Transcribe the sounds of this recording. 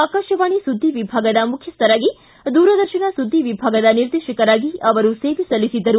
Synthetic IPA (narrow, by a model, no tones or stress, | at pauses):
aːkaːʃɐʋaːɳisud̪ʱːiʋibʱaːɡɐd̪ɐmukʰjɐst̪ɐɾaːɡi | d̪uːɾɐd̪ɐɾʃɐɳɐsud̪ʱːiʋibʱaːɡɐd̪ɐniɾd̪eːʃɐkɐɾaːɡiɐʋɐɾuseːʋisɐlisid̪ːɐɾu